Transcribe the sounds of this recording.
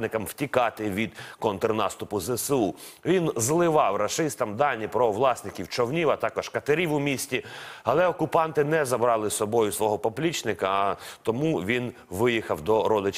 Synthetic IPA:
nɪkɐmwtʲikɑt̪ɪʋʲid̪̥kɔnt̪rnɑst̪ʊpʊzɛsu | ʋʲinzlˠɪʋɑwrɐʃɪst̪ɐmd̪ɑnʲːipɾɔʋlˠɑsnɪkʲiwt͡ʃɔwnʲiʋɐt̪ɑkɔʒ̥kɐt̪ɐɾʲiʋʊmʲisʲtʲiɐlˠɛɔkʊpɑnt̪ɪnɛzɐbɾɑlˠɪsɔbɔjʊsʋɔɦɔpɔplʲit͡ʃnɪkɐt̪ɔmuʋʲin | ʋɪjixɐwd̪ɔɾɔd̪ɪt͡ʃ

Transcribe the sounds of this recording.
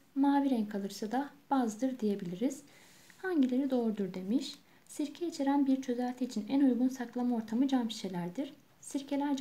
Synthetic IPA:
maːviɾɛnkʰalˠɯɾsad̪ab̥azd̪ɯɾd̪ije̞bilʲiɾiz̥ | haɲɟilʲe̞ɾid̪o̞ːɾud̪uɾd̪e̞miʃ | siɾcʰɛit͡ʃʰeɾænbiɾt͡ʃʰø̞zælʲt̪ʰiːt͡ʃʰinænujɡunsaklˠamao̞ɾt̪ʰamɯd͡ʒampʰi̥ʃe̞lʲæɾd̪iɾ̥ | siɾcʰe̞lʲæɾd͡ʒ

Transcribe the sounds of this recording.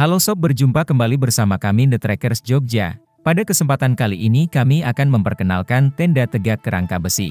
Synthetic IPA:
halosɔp̚bərd͡ʒumpakəmbalibərsamakamidət̪ɾɛkərsd͡ʒɔk̚d͡ʒa̰ | padakəsəmpat̪ankaliʔinikamiakanməmpərkəna̰lkant̪ɛndat̪əɡakːəɾʔa̰ŋkabəsḭ

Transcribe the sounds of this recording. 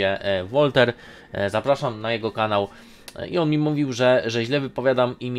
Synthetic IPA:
ɛvɔlt̪ɛɾ | zapɾaʂamnajɛɡɔkanaw | iɔnmʲimuvʲiwʐɛʐɛʑlɛvɘpɔvʲjad̪amimʲ

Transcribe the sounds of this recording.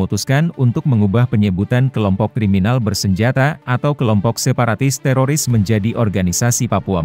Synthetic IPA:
ut̪uskanunt̪ʊk̚məŋubahpəɲəbut̪ankəlɔmpɔkːɾiminalbərsəɲd͡ʒat̪aat̪awkəlɔmpɔksepaɾat̪ɪst̪ɛɾoɾɪsməɲd͡ʒadiʔɔrɡanisasipapua

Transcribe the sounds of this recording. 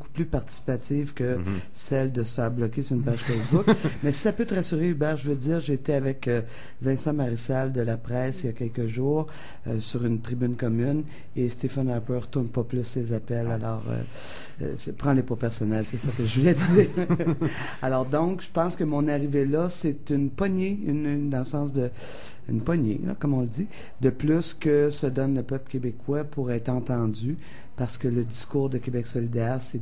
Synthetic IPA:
boku̥plypaʁt̪i̥si̥pat̪ivkə | sɛld̪əsə̥fɛːʁblɔkʲesyʁynpaʒ̥fɛsbʊkmɛsi̥sapøt̪əʁasyʁeybɛːʁʒəvødd͡z̪iːʁʒeːt̪ɛavɛkə | vɛ̃sɑ̃maʁisald̪əlapʁɛːsijakʲɛlkəʒuːʁ | øsyʁynt̪ʁibynkɔmyn | est̪efanɛpøʁt̪ʊʁnpɔplʏsːezapɛlalɔːʁø̰ | sɛpʁɑ̃lepɔpɛʁsɔnɛlsɛsɔkəʒəvulɛd̪iːʁ | alɔːʁd̪ɔ̃kʒ̥ə̥pɑ̃skəmɔ̃naʁivelʌset̪ynpɔɲeynd̪ɑ̃ləsɑ̃sd̪ə | y̰npɔɲḛlɔ̰kɔmɔ̃ləd̪i | d̪əplʏskʲəsəd̪ɔnləpœplə̥kʲebekʰwapuʁɛːt̪χɑ̃t̪ɑ̃d͡zy | paʁsə̥kələd̪iskuːʁd̪əkʲebɛksɔlid̪ɛːʁsɛ

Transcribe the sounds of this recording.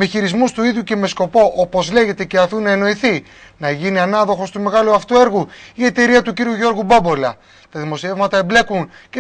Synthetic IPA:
meçiɾizmust̪uiðʝjuce̞me̞sko̞po̞ʔopo̞zle̞ʝe̞t̪e̞ce̞ɐfinɐeno̞iθi | nɐʝiniɐnɐðo̞xo̞st̪ume̞ɣɐluɐft̪ue̞ɾɣuie̞t̪e̞ɾiɐt̪uciɾiuʝo̞ɾɣubɐbo̞lɐ | t̪ɐðimo̞sievmɐt̪ɐemble̞kunce

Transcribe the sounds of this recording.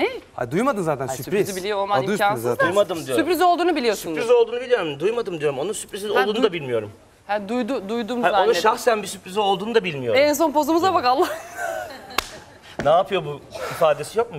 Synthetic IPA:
ehad̪ujmad̪ɯnzaːt̪ʰænsyɾzibilʲijoolˠmaniand̪ujmad̪ɯmd̪ijosypɾiziolˠd̪uːnubilʲijoɾsyunp̪ɾizo̞lˠd̪uːnubiijo̞ɾumd̪ujmad̪ɯmd̪ijo̞ɾumo̞nunsypɾiziolˠd̪uːnd̪abilʲmijo̞ɾum | hæd̪ujd̪ud̪ujd̪uːmaiaonuʃaxsænbisypɾizio̞lˠd̪uːnɯd̪abilʲmijo̞ɾɛns̬o̞npo̞zumuzabakalˠːa | naːpʰɯjobuifaːd̪e̞sijo̞k̚mu

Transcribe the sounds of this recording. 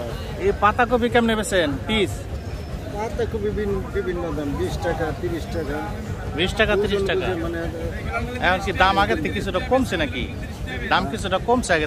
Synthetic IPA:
epat̪ak̬obikamnebesʰenpis | pat̪akobibʱinbibʱinːɔd̪ambisʈakat̪iɾisʈaka | bisʈakat̪iɾisʈakaemanead̪a | ɛkʰɔnsid̪amaɡet̪ʰːekit͡sʰuʈakomsʰenakḭ | d̪amkit͡sʰuʈakomsʰeaɡe

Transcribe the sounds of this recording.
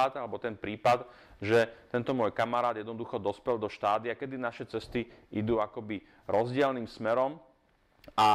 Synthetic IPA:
ad̪alɛbɔt̪ɛnpɾiːpad̪ | ʒɛt̪ɛnt̪ɔmʊɔjkamaɾaːd̪jɛd̪nɔd̪uxɔd̪ɔspɛld̪ɔʃt̪aːd̪iakɛd̪inaʃɛt͡sɛst̪iid̪uːakɔbi | ɾʔɔzɟɪɛlniːmsmɛɾɔm | a

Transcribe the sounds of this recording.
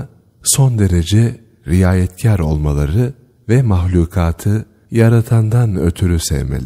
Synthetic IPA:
so̞nd̪e̞ɾe̞d͡ʒɛ | ɾijaːjɛt̪cʰæɾo̞̰lˠmalˠaɾɯ | vɛmaxlʲuːkʰaːt̪ʰɯ | jaɾat̪ʰand̪anø̞̰t̪ʰyɾysɛ̰vmḛlʲi

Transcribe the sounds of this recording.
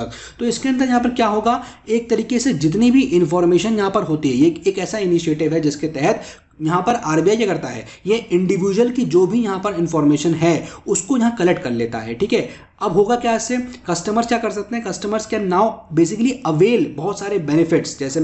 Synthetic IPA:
t̪oɪskeɐ̃nd̪əɾjɐɦãp̬ɐɾkjaːɦoːɡaeːk̚t̪ɐɾiːkesed͡ʒɪt̪̬nibʱiʔɪ̃nfɔːɾmeːʃənjɐɦãpɐɾɦoːt̪iɦɛjeeːkɛːsaɪniʃeːʈɪʋɦɛd͡ʒɪsket̪ɛɦɛt̪ | jɐɦãpɐɾaːɾbijaːjekɐɾt̪aɦɛ̰ːjeɪ̃ɳɖɪʋiːd͡ʒəlkid͡ʒoːbʱijɐɦãpɐɾɪ̃nfɔːɾmeːʃənɦɛʊskojɐɦãkɐlɛk̚ʈ̚kɐɾleːt̪a̰ɦɛ̰ʈʰiːkɦɛː | ɐbɦoːɡakjaɛːsekɐsʈəməɾskjaːkɐɾsɐk̚t̪ẽɦɛ̃kɐsʈəməɾzkenaːʊbeːs̬ɪkliɐʋeːlbɐɦʊt̪saːɾebɛːnɪfɪʈsd͡ʒɛːse

